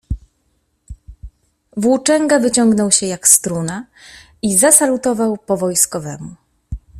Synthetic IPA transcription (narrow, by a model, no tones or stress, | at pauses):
vwut͡ʂɛŋɡavɘt͡ɕɔŋɡnɔwɕɛjakst̪ɾuna | izasalut̪ɔvawpɔvɔjskɔvɛmu